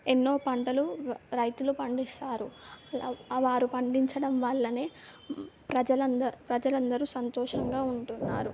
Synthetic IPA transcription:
enːo̞ːpɐɳʈɐluɾɐjt̪ulupɐɳɖist̪aːɾu | ʋaːɾupɐɳɖiɲt͡ʃɐɽɐmʋɐɭːɐneː | pɾɐd͡ʒɐlɐnd̪ɐpɾɐd͡ʒɐlɐnd̪ɐɾusɐnt̪ɔːʂɐŋɡaːuɳʈunːaːɾu

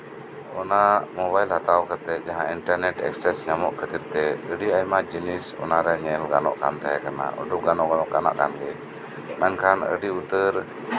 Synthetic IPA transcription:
ɔnamɔbajlhat̪awkət̪ɛˀd͡ʒaɦãiɳʈaɾnɛʈɛ̰ksɛsɲamɔʔkʰət̪iɾt̪ɛəɖiajmad͡ʒinisɔ̰naɾɛɲɛlɡanɔ̰ʔkant̪aɦɛkana̰ɔ̰ɖɔp̚ɡanɔʔɡanɔʔkana̰ʔkanɡɛ | mɛnkʰanə̰ɖiut̪əɾ

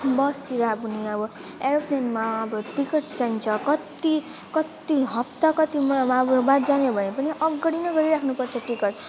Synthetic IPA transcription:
bʌsiɾabuniʌbʌeɾʌpʰnenmaʌbʌʈikʌʈd͡zaint͡sʰʌkʌt̪i | kʌt̪iɦʌp̚t̪ʌkʌt̪imbbat̪d͡zaneobʱʌnepʌniʔʌɡʌɽinʌɡʌɾiɾakʰnupʌrt͡sʰʌʈikʌʈ

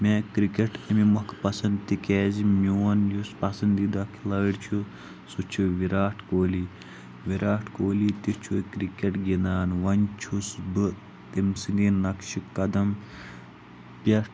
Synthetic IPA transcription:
mʲeːkɾikeʈɐmimɐkʰpɐsɐnd̪t̪ikɛːzimuwɐnjuspɐsɐnd̪id̪ɐkʰilɐːɽt͡ʃʰu | sut͡ʃʰuʋiɾaːʈʰkoːli | ʋiɾaːʈʰkoːlit̪it͡ʃʰukɾikʲeʈɡind̪aːnʋɐnt͡ʃʰusbɨ | t̪imsɨninɐkʃikɐd̪ɐm | pʲɐ

